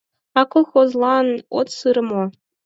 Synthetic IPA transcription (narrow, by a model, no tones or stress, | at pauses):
ɑkŏlˠxozlˠɑnot̪sɯɾ̆mo